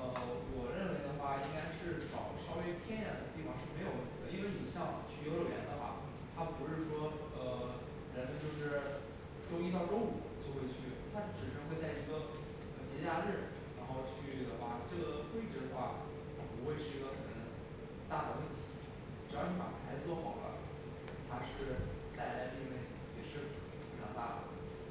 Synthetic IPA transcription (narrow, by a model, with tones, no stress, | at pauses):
ə˧wɔ˨˩ɻə˥˩nwe˧˥ɪd̪ə˧xwa˥˩i˥ŋka˥ɪʂɻ̩˥˩ʈ͡ʂɑ˨˩ʊʂɑ˥ʊwe˥ɪpʰjɛ˥nɻa˧˥nd̪ə˧t̪i˥˩fɑ˨˧ŋʂɻ̩˥˩e˧˥ɪjo˨˩ʊwə˥˩ni˧˩ə˧i˥nwe˥˩ɪni˨˩ɕjɑ˥˩ŋt͡ɕʰy˥˩jlə˨˩jɛ̰˧˥nd̪ə˧xwa̰˥˩ | t̪ʰa˥pu˧˥ʂɻ̩˥˧ʂwɔ˥ | ə˧ | ɻə˧˥nmə˧nt͡ɕjo˥˧ʊʂɻ̩˥˩ | ʈ͡ʂo˥ʊi˥t̪ɑ˥˧ʊʈ͡ʂo˥ʊṵ˨˩t͡ɕjo˥˧ʊxwe˥˧ɪt͡ɕʰy˥˩t̪ʰa˥ʈ͡ʂɻ̩˨˩ʂə˧˥nxwe˥˧ɪt͡sa˥˩ɪi˧˥ɡə˧ | ə˧˩t͡ɕɛ˧˥t͡ɕja˥˧ɻɻ̩˥˩ | ɻa˧˥nxo˥˧ʊt͡ɕʰy˥˩d̪ə˩xwa˥˩ʈ͡ʂɤ˥˩ɡə˩twe˥˧ɪʈ͡ʂɻ̩˥˩d̪ə˧˦xwa˥˩ | t̪ʰa˥pu˧˥xwe˥˧ɪʂɻ̩˥˩i˧˥ɡə˧xə˨˩˨n | t̪a˥˩d̪ə˩wə˥˩nt̪ʰi̥˧˥ | ʈ͡ʂ̩˨˩jɑ˥˧ʊn̩ʰ˥˩pa̰˨˩pʰa˧˥ɪt͡swɔ˥˩xɑ˨˩ʊlə̰˦ | t̪ʰa˥ʂɻ̩˥˧t̪a˥˩ɪla˧˥ɪt̪i˥˧ne˥˩ɪ | jɛ˨˩ʂɻ̩˥˩˧ | jɑ˧˥ŋt̪a̰˥˩d̪ə̰˩